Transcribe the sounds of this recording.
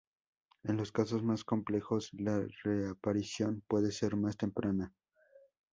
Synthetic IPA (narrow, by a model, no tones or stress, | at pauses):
e̞nlo̞skaso̞zmasko̞mple̞xo̞slareapaɾisjo̞npwe̞ðe̞se̞ɾmast̪e̞mpɾana